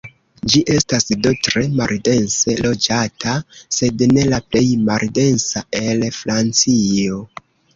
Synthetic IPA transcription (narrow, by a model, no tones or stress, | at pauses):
d͡ʒiʔe̞stasdo̞tɾe̞malde̞nse̞lo̞d͡ʒatʰase̞dne̞laple̞jmalde̞nsae̞lfɾant͡sio̞